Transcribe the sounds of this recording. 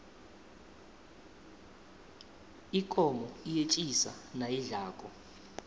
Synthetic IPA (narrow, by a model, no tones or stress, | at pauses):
ikʼɔmɔijet͡ʃʼisa̰najiɮaːkʼɔ